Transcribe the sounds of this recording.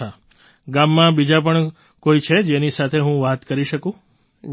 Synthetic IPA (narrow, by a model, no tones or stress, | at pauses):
a | ɡamːãbid͡ʒap̬əɳ | koit͡ʃʰed͡ʒenisat̪ʰeɦũʋat̪kəɾiʃəkũ